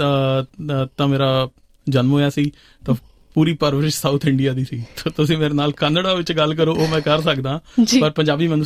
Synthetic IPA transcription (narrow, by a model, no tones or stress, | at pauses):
ãː | t̪ãːmeːɾaː | d͡ʒənmɦoːɛːsiː | t̪ãː | puːɾiːpəɾʋəɾɪʃsaːut̪ʰɪɳɖijaːd̪iːsiːt̪oːt̪ʊs̬ĩːmeːɾeːnaːlkɛːnəɖaːʋɪt͡ʃɡəlk̬əɾoːomɛ̃ːkəɾsəkd̪ãːd͡ʒipəɾpəɲd͡ʒaːbiːmənʊ